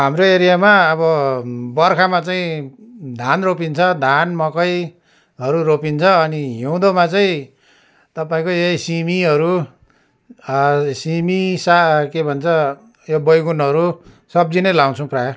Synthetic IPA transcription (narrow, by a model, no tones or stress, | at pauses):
ɦamroeɾijamaʌβʌbʌrkʰamat͡saĩd̪ʱanropint͡sʰʌd̪ʱanmʌkʌj | ɦʌɾuropint͡sʰʌːniɦiw̃d̪omat͡saĩ | t̪ʌpaĩkojejsimiʌɾu | simisakebʱʌnt͡sʰʌ | jobʌjɡunɦʌɾu | sʌb̚d͡zinʌjlaw̃t͡sʰʌ̃w̃praj